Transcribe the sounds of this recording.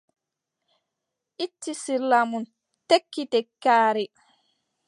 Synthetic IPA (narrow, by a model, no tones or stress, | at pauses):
ʔitːisiɾlːamun | tekːitɛkːaːɾɛ